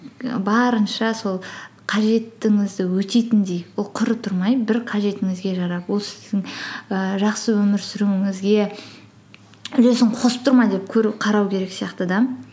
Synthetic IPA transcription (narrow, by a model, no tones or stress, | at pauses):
bɑɾənʃɑso̞lˠ | qʰɑʒe̞t̪ːɪŋɪzd̪ɪwɵt̪e̞t̪ɪnd̪ejwolˠqʰʊɾət̪ʰʊɾmɑjbɪɾqʰɑʒe̞t̪ɪŋɪzɡʲe̞ʒɑɾɑpwo̞lˠsɪ̥zd̪ɪŋəʒɑqsəwɵmɪɾsʏɾuɪŋɪzɡʲe̞ | ʏle̞sɪɴqʰosə̥p̚t̪ʰʊɾmɑjd̪e̞p̚kʲʰɵɾɪpqʰɑɾɑwkʲʰe̞ɾe̞ksijɑqt̪əd̪ɑn